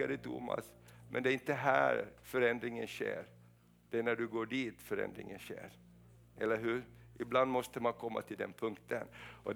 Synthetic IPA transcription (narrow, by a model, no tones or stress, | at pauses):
ad̪ət̪ʰʊ̰ːma̰smʔɛ̰nd̪ɛæɾɪnt̪əɦæːɾfœɾɛnd̪ɾɪŋənɕḛːɾ | d̪̥ɛæɳæɖɵɡoːɖiːt̪fœɾɛ̰nd̪ɾɪ̰ŋənɕḛːɾ | ʔɛlːəɾɦʉːɾʔɪbland̪mɔst̪əmankʰɔmːa̰t̪ʰɪld̪ɛnpʰɵŋkt̪ʰənʔɔ